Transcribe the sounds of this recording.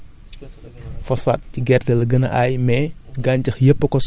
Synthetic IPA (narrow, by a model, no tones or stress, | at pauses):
fɔsfat̚ciɡɛrfɛlɐɡənɐ̰ʔajmɛɡaɲcɐxjəpːəkɔs